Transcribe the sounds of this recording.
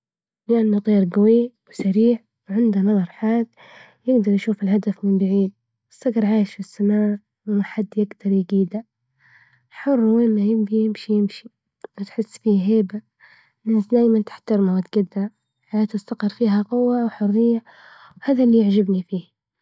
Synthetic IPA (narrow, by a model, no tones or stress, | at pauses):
lɪʔanːat̪ˤiːɾɡawiwɪsaɾiːʕ | wʕɪnd̪anɑðˤɑɾˤħaːð | jɪɡd̪ɑɾˤjaʃuːfɪlɦad̪afmɪmbaʕiːd̪̚ | wɪsɑɡɾˤʕaːjɪʃfɪsːamaːʕ | wɪmaħad̪ːjɪɡd̪ɑɾˤjɪɡiːd̪a | ħʊrˤːwɪmːajɪmbijɪmʃijɪmʃi | mat̪ħɪsːfiːɦeːba | nasd̪aːjmant̪ɪ̥ħt̪aɾmawɪt̪ɡad̪ːa | ħajaːt̪ast̪aqɑɾˤfiːɦaqʊwːawħʊrːɪjːa | whaːðalːiːjɪʕd͡ʒabnifiːh